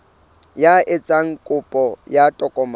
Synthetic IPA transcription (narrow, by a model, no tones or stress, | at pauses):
jaʔɪt͡sʼaŋ̩kʼʊpʼɔjatʼɔkʼɔm